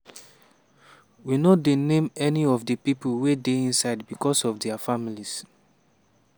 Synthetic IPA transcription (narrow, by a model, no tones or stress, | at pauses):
winodenẽmɛniɔvdəpipəlwedeĩnsaɪd̚bikɔsɔvdɛafamilis